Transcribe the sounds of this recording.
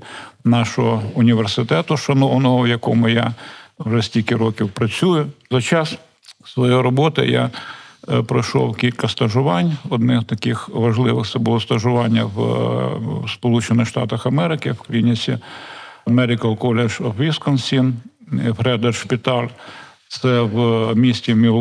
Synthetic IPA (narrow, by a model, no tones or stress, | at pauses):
nɑʃɔɦɔʊnʲiʋersɪt̪ɛt̪ʊʃɐnɔwnɔɦɔjɐkɔmʊjawʐɛsʲtʲilʲkʲɪɾɔkʲiwpɾɐt͡sʲujʊzɐt͡ʃɑs | sʋɔjejɾɔbɔt̪ɪ̰ja̰ | pɾɔjʃɔ̰wkʲilʲkɐst̪ɐʒʊʋɑnʲɔd̪nɪzt̪ɐkɪxʋɐʒlˠɪʋɪxt̪sɛbʊlˠɔst̪ɐʒʊʋɑnʲːɐw | spɔlˠut͡ʃenɪxʃt̪ɑ̰t̪ɐxɐmɛɾɪkɪwklʲinʲisʲḭ | ɐmɛɾʲɪkɐlˠkɔlʲeʒɦʋʲiskɔnsʲin | hɾɛd̪erʃpʲit̪ɑlʲ | t̪sɛwmʲisʲtʲimʲi